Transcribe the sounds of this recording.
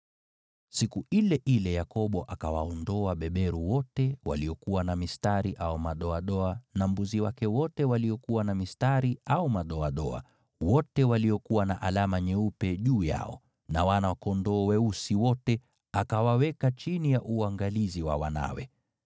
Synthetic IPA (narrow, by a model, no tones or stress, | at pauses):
sikuilɛʔilɛjakɔɓɔʔakawa̰ɔndɔaɓɛɓɛɾuwɔtɛwa̰liɔkuwanamistaɾiʔaumaɗɔaɗɔanambuziwakɛwɔtɛwaliɔkuwanamistaɾiaumaɗɔaɗɔa̰ | wɔtɛwaliɔkuwanaʔalamaɲɛupɛʄuːja̰ɔ̰ | nawanawakɔndɔːwɛusiwɔtɛ | akawawɛkat͡ʃinijaʔuaŋɡaliziwa̰wa̰na̰wɛ̰